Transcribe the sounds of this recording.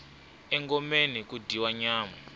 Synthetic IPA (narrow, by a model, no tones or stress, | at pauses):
ɛŋɡɔmenikudʱiwaɲaːma